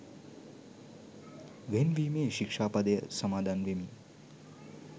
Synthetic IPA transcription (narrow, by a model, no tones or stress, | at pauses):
ʋenʋimeːʃikʂaːpad̪əjəsɐmaːd̪ʱaːnʋemi